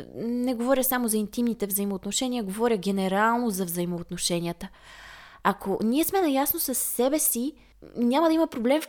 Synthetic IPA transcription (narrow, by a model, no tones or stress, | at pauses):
nɛɡovɔɾʲjəsamozɐint̪imnit̪ɛvzɐimoːt̪noʃɛniəɡovɔɾʲəɡʲɛnɛɾalˠnozɐvzɐimoːt̪noʃɛnʲiət̪ə | akʰonʲiɛsmɛnɐjasnosɐsːɛbɛsi | nʲaməd̪ɐimɐpɾoblɛmf